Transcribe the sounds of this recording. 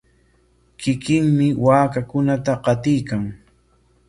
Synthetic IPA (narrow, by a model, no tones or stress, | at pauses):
kɪkɪŋmɪwaːkakʊnat̪aqɑt̪ɪjkaŋ